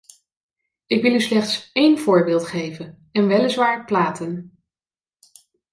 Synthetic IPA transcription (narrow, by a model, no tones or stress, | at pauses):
ɪkʋɪlˠyslɛχtsejnv̥ʊːɹbɪːlˠtχejvən | ɛnʋɛlɪsʋaːɹplaːtən